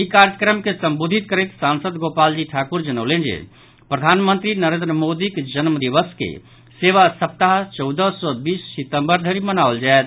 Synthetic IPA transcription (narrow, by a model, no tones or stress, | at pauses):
ikaɾjəkɾəmkesəmbod̪ʱit̪kəɾeksansəd̪ɡopald͡ʒiʈʰakuɾd͡ʒənəʊlend͡ʒḛ | pɾəd̪ʱanmə̃nt̪ɾinəɾẽnd̪ɾəmod̪iked͡ʒənmd̪iʋəskḛ | seʋasəp̚t̪aɦt͡ʃɔʊd̪əsɔbiːsːit̪əmbəɾd̪ʱeɾimənaəld͡ʒaɛt̪